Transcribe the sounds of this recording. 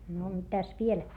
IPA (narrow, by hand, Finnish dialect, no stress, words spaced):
no mitæs ʋiel